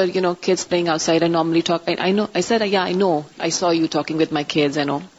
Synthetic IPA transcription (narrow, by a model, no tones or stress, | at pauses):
ʌɾjunokʰɪdz̥pleɪ̃ŋaʊtsajɾajnɔɾməliʈʰɔkaʔa̰jnoʔajsɛdjaajnoʔa̰jsɔjuʈʰɔkɪ̃ŋwɪd̪̚majkʰɪdzjuno